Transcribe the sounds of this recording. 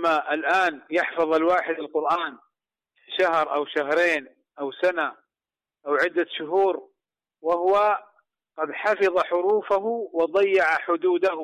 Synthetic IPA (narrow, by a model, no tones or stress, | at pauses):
mːaʔɪlʔaːnjɪħfɑðˤalwaːħɪd̪ɪlqʊɾʔaːn | ʃahɾʔawʃaɦɾeːn | ʔawsana | ʔawʕɪd̪ːaʃʊɦuːɾ | wahʊwa | qɑd̪ħɑfɑðˤɑħʊɾuːfaɦʊwɑd̪ˤɑjːɑʕaħʊd̪uːd̪ahʊ